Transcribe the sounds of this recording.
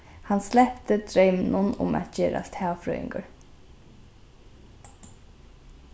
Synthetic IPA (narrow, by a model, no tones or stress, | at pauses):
hanslɛhpt̪ɪd̪ɾejmɪnʊnʊ̰mæ̰t̪d͡ʒɛːɾa̰st̪ʰaːʋfɾœ̰ːɪ̰ŋkʊɹ